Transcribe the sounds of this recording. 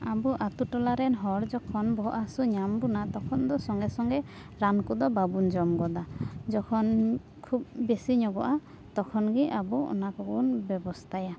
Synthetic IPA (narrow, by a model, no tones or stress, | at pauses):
abuʔat̪uʈɔlaɾɛnɦɔɾd͡ʒɔkʰɔnbɔɦɔʔasuɲambunat̪ɔkʰɔnd̪ɔsɔŋɡɛsɔŋɡɛ | ɾankud̪ɔbabund͡ʒɔmɡɔd̪ad͡ʒɔkʰɔn | kʰub̚besiɲɔɡɔʔa | t̪ɔkʰɔnɡiabuɔ̰nakɔɡunbɔbɔst̪ʰaja